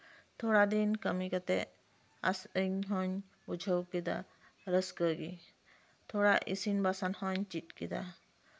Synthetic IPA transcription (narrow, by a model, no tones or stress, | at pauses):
t̪ʰɔɽad̪inkəmikat̪ɛ | a̰səɲɦɔɲ | ud͡ʒʱəwkid̪a̰ | ɾəskəɡi | t̪ʰɔɽaʔḭsinbasanhɔɲt͡ʃit̪̚kid̪a̰